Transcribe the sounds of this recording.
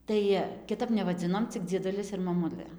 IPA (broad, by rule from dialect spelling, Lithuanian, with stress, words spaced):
ˈtɐɪ kʲɪˈtɐp nʲɛʋɐˈd͡zʲɪnoːm t͡sʲɪk d͡zʲiɛˈdʊlʲɪs ɪr mɐˈmʊlˠɘ